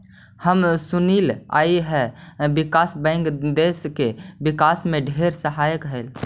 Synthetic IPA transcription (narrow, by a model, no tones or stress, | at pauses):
həmsʊniːla̰ːiɦɛbɪkaːsbɛ̃ːŋkd̪eːskebɪkaːsmẽɖʱeːɾsəɦaːjəkɦɛl